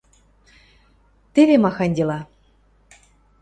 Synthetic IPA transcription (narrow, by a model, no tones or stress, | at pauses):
t̪eβemɑxɑnʲd̪ʲelɑ